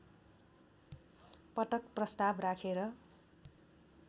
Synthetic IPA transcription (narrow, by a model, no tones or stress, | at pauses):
pʌʈʌkprʌst̪abrakʰeɾʌ